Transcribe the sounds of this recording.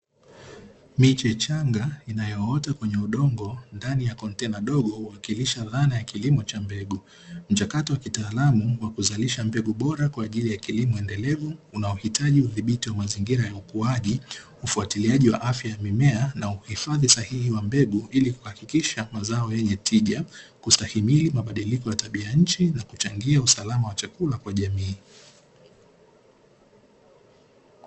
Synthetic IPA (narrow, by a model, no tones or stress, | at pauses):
mit͡ʃɛt͡ʃaŋɡainajɔɔtakwɛɲɛuɗɔŋɡɔndanijakɔntɛnaɗɔɠɔhuwakiliʃaðanajakilimɔt͡ʃambɛɡu | m̩t͡ʃakatɔwakitaːlamuwakuzaliʃambɛɠuɓɔɾakwaːʄilijakilimɔɛndɛlɛvuːnaɔhitʰaʄiuðiɓitiwamaziŋɡiɾajaukuaʄi | ufuatiliaʄiwa̰ʔafjajamimɛanauhifaðisahihiwambɛɠuʔilikuhakikiʃamazaɔjɛɲɛtʰiʄakustahimilimaɓaɗilikɔjataɓiajaɲ̩t͡ʃinakut͡ʃaŋɡiausalamawat͡ʃakulakwaʄamiː